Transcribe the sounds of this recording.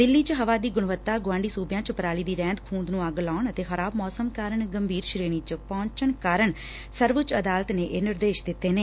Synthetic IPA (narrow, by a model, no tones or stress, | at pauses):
d̪ɪlːiːt͡ʃəɦəʋaːd̪iːɡʊɳʋət̪ːaːɡʊʋãːɳɖiːsuːbjãːt͡ʃəpəɾaːliːd̪iːɾɛ̃ːnd̪kʰũːnd̪nũːaːɡlaːɳət̪eːxəɾaːbmɔːsəmkaːɾəɳɡəmbʱiːɾʃɾeːɽ̃iːt͡ʃəpɔ̃ːɲt͡ʃəɳkaːɾəɳ | səɾʋət͡ʃəd̪aːlət̪neːʔeːnɪɾd̪eːʃd̪ɪt̪ːeːneː